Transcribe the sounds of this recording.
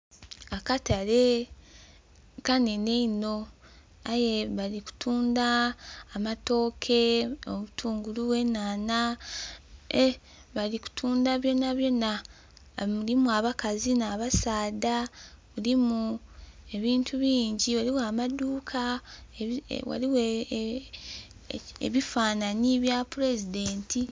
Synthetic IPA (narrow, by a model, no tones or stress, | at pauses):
akatale̞ | kaneneino̞ | aje̞βaliku̥tʰuːndaːmato̞ːkʰe̞omutʰuːŋɡuluβwe̞naːna | βaliku̥tʰuːndaβjo̞naβjona | ulimuaβakazinaːβasaːda | βulimue̞βiːntʰuβiːɲɟiwaliwamaduːkʰa̰ | wa̰liwe | ḛβifaːnaniβjapuɾe̞zide̞ːnti